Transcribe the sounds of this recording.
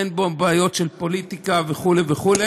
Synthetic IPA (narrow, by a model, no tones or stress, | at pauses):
enbobaːjo̞tʃelpo̞lit̪ikaveχuleveχule